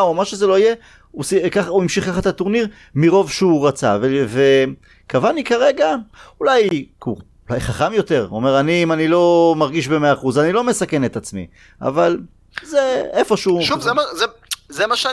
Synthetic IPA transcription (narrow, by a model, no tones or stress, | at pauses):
umamaʃezelo̞ije | usikaχauimʃiχkaχat̪at̪uʁniʁ | miʁo̞vʃeuʁat͡sa̰veve | kavanikaʁe̞ɡaulajku | ulajχaχamjo̞t̪e̞ʁome̞ʁaniːmanilo̞maʁɡiʃbemeaːχuzanilo̞me̞sake̞net̪at͡smḭ | a̰val | zeefo̞ʃuʃuvzeazezemaʃa